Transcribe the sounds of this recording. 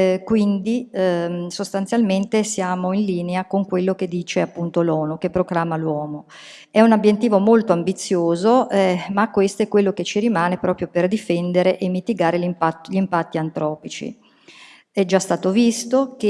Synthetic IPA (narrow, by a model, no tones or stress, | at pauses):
kwind̪i | sost̪ant̪sjalment̪esjaːmoinliːneakoŋkwelːok̟ed̪ːiːt͡ʃeapːunt̪olɔːnukepːɾoklaːmːalwɔːmo | ɛunabjet̪ːiːvomolt̪oambit̪sːjoːzoɛmakːwest̪oɛkːwelːoket͡ʃiɾimaːnepɾɔːpɾjoperd̪ifɛnd̪eɾeʔemːit̪iɡaːɾelimpat̪ːʎimpat̪ːiant̪ɾɔːpit͡ʃḭ | ɛd͡ʒast̪aːt̪ovist̪oke